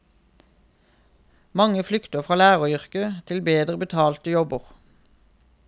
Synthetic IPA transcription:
mɑŋəflʏkt̪əfʁɑːlæːʁəʏʁkət̪ʰɪlbeːd̪ʁəbət̪ʰɑːlt̪əjɔbəʁ

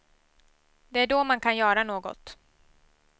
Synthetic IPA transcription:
d̪ɛæɖomankʰanjœːɾanoːɡɔ̰t̪

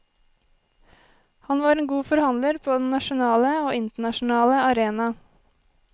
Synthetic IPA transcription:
hɑnʋɑːɾeːnɡuːfɔɾhɑnd̪ləɾpʰoːd̪ɛn̩nːɑʃʊnɑːləoːɪnt̪əɳɑʃn̩ɑːləɑɾeːnɑ

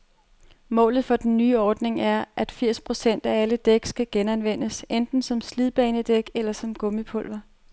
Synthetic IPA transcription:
mɔ̰̽ːlð̞̩ˠfɒ̽d̥enːyːɒːd̥ne̝ŋæɐʔæd̥fiɐ̰spʰʁo̝sen̰d̥ææləd̥eɡ̥sɡ̥æɡ̥enænʋen̰əsend̥n̩sɒ̽msliðˠb̥ɛːnəd̥eɡ̥elɐsɒ̽mɡ̥ɔ̽məpʰɔ̽l̰ʋɐ

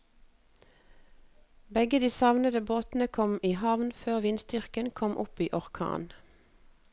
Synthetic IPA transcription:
bɛɡəd̪iːsɑʋnəd̪əboːt̪n̩əkʰɔmiːhɑʋnføːʁʋɪnst̪ʏʁkənkʰɔmʔʊpiːʔɔʁkʰɑ̰ːn

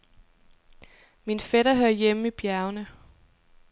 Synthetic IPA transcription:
minfɛɾ̥ɐɦøɐ̰jemib̥jæɐʊnə

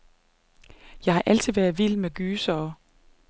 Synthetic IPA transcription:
jɑ̈ɪhɑ̈ʔæl̰t͡sʰið̩̰ˠʋæɐðˠʋil̰meɡ̥yːsɒː

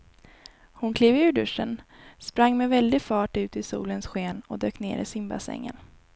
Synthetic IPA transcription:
hʊnkʰliːvʉ̟ːɖɵʂːə̰n | spɾaŋːmɛvɛld̪ɪfɑːʈʉ̟ːt̪ɪsṵːlənsɧeːnɔd̪øːknḛːɾɪ̰sɪmba̰sɛ̰ŋːə̰n

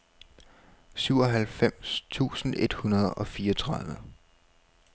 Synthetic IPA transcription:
syʊ̰ɒ̽ɦælfem̰st͡sʰṵːsn̩ʔe̝d̥hunɐð̞ˠɒ̽fiːɐt͡sʰʁɑ̈ð̞ˠʋə

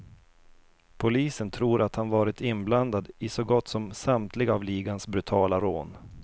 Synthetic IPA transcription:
pʰʊliːsənt̪ʰɾuːɾʔat̪hanvɑːɾɪt̪ɪnbland̪ad̪ɪsɔɡɔt̪ːsɔmsamt̪ʰlɪɡavliːɡansbɾɵt̪ʰɑːlaɾoːn

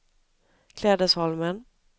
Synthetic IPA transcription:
kʰlɛːd̪əʂɔlmən

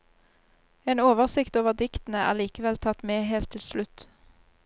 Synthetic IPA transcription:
eːnoːʋəʁsɪkt̪oːʋəʁd̪ɪkt̪n̩əæ̰ːʁliːkəʋɛlt̪ʰɑt̪meːɦeːlt̪ʰːɪlslʉt̪

